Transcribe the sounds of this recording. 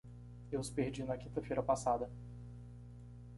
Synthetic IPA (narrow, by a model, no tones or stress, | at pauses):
ewʊspeɾd͡ʒinɐkĩnt̪ɐfejɾɐpasad̪ɐ